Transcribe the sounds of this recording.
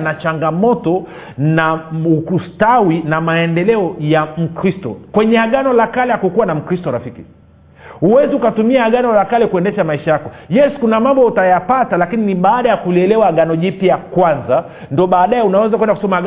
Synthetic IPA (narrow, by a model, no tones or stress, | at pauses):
nat͡ʃaŋɡamɔtɔ | naukustawinamaɛndɛlɛɔjam̩kɾistɔ̰kwɛɲɛaɠanɔlakalɛhakukuwanam̩kɾistɔɾafiki | uwɛziukatumiaːɠanɔlakalɛkuɛndɛʃamaiʃajakɔjɛsu̥kunamambɔutajapatalakininiɓaːɗajakuliɛlɛwaːɠanɔʄipiakwanza | ndɔɓaːɗajɛunawɛzakwɛndakusɔmaa